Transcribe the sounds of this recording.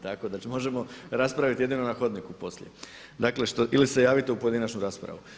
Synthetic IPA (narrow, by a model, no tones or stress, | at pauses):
t̪ako̞d̪at͡ʃimo̞ʒe̞mo̞ɾaspɾaʋit̪je̞d̪ino̞naxo̞d̪nikupo̞slʎḛ | d̪akle̞ʃt̪o̞ʔilise̞jaːʋit̪e̞upo̞jed̪inat͡ʃnuɾaspɾa̰ʋu